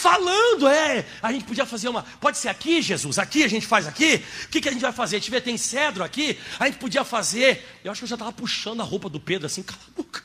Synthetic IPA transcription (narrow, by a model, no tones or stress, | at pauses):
falɐ̃d̪ʊɛ | aʒẽnt͡ʃɪpod͡ʒiɐfazeɾũmɐpɔd͡ʒɪseɾakiʒezusakiaʒẽnt͡ʃɪ̥fajzakiʊ̥kɪkɪaʒẽnt͡ʃɪvajfazeɾt͡ʃivɛt̪ẽj̃sɛd̪ɾʊakiaʒẽnt͡ʃɪpod͡ʒiɐfazeɾewaʃʊkewʒat̪avɐpuʃɐ̃d̪ʊahowpɐd̪ʊped̪ɾʊasĩkalabokɐ̥